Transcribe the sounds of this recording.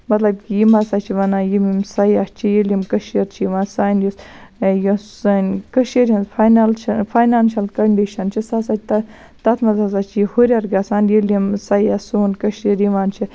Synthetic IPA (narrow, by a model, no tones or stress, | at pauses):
mɐt̪lɐbkjimɐsaːt͡ʃʰiʋɐnajimimsɐjaːst͡ʃʰijilimkɐʃiɾt͡ʃʰiiʋaːnsaːnjusju | nkɐʃeɾiɐ̃nzfʰajnalt͡ʃɐfʰaːjnaːnʃɐlkɐɳɖiʃɐnt͡ʃʰisasaːt͡ʃʰt̪ɐ | t̪ɐt̪ʰmɐzas̬at͡ʃʰijihuɾʲɐɾɡasaːnjilimsɐjasoːnkɐʃiɾjiʋaːnt͡ʃʰi